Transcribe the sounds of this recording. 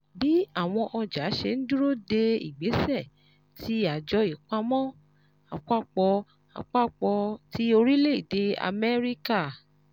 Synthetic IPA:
bi˦a˦˨w̃ɔ̃˧ʔɔ˧d͡ʒa˨˦ʃe˧n̩˦du˦ɾo˦˨de˧ḭ˨ɡ͡be˨˦sɛ˦˨ | tʰi˦a˨d͡ʒɔ˧i˨k͡pa˧mɔ̃˦ | a̰˧k͡pa˦˨k͡pɔ˧ | a̰˧k͡pa˦˨k͡pɔ˧ti˦o˧ɾi˦le˦i˨de˧˦a̰˧mɛ˦ɾi˦ka˦˨

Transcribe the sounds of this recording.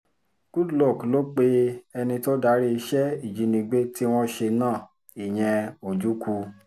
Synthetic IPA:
ɡ̥u˦dlɔ˦˨klo˦k͡pe˦ɛ˧nĩ˧to˦da˧˦ɾi˦i˧ʃɛ˦i˦˨d͡ʒi˨˧˦nĩ˧ɡ͡be˦ti˦w̃ɔ̃˦ʃe˧nãː˦˨ | i˨j̃ɛ̃˧o˨d͡ʒu˨˦ku˧

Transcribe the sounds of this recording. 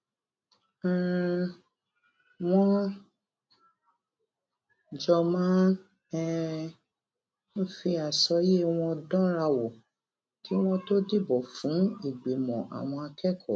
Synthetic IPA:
w̃ɔ̃˦ | d͡ʒɔ˧mãː˦ | ɛ˦ | n̩˦fi˧a˨sɔ˧je˦w̃ɔ̃˧dɔ̃˦ɾa˧wɔ˨ | ti˨˦w̃ɔ̃˦to˦di˦˨bɔ˨fũ˨˦i˨ɡ͡be˨mɔ̰̃˨ʔa̰˨w̃ɔ̃˧a˧kɛ˦kʰɔ̰˦˨

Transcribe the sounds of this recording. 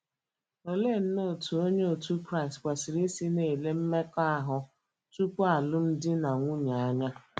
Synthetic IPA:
o˨le˦˨n̩˦no˦˨tʰu˨o˦ɲe˦o˨tu˦kɾa˦˨ɪ˨stkʷa˨si˨ɾi˦si˦ne˨le˦m̩˦me˦ka˦a˦ɦʊ˨ | tu˦k͡pʷo˦a˨lʊ˦m̩˦dɪ˦na˨ŋʷu˦ɲa˨a˦ɲa˦

